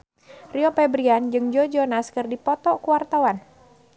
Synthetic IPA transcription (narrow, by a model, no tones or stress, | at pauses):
riɔpɛbɾiand͡ʒɨŋd͡ʒɔd͡ʒɔnaskɨrdipɔt̪ɔkuwart̪awan